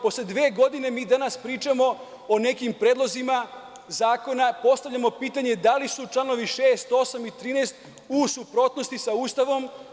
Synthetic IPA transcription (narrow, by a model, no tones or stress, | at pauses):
po̞sled̪ʋeːɡo̞d̪ine̞miːd̪anaspɾiːt͡ʃamo̞ | one̞kimpɾeːd̪lˠo̞zima | zaːko̞napo̞st̪aʋʎamo̞piːt̪aɲe̞d̪alisut͡ʃlˠano̞ʋiʃeːst̪o̞samit̪ɾiːnest̪ | usupɾo̞t̪no̞st̪isauːst̪aʋo̞m